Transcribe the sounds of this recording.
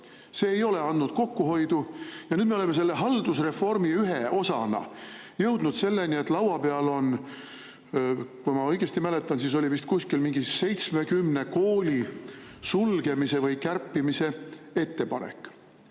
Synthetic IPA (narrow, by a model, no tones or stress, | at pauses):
se̞ːejo̞le̞ɑnːud̪̥ko̞kːuɦo̞jd̪̥ujɑnyːd̪meoleme̞s̬e̞lːe̞ɦɑld̪usre̞fo̞rmiyɦe̞o̞sɑ̰nɑ̰ | jɤwd̪̥nud̪̥se̞lːenie̞t̪ːˑlɑwɑpe̞ɑlo̞n | kujmɑɤjɡ̥e̞st̪imæle̞t̪ːˑɑnsis̬o̞lʲivist̪̚kuskilmiŋɡ̥ise̞jt̪sme̞kymne̞ko̞ːlʲisulɡ̥e̞mise̞vɤjkærpˑːimise̞e̞t̪ːe̞pɑ̰nḛkːˑ